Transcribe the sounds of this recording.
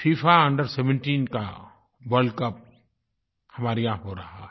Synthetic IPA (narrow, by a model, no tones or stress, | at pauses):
fiːfaɐ̃ɳɖəɾseʋə̃ɳʈiːnka̰ | ʋɐɾɖkɐp̚ | hɐmaːɾijãɦoɾɐɦa̰ɦɛ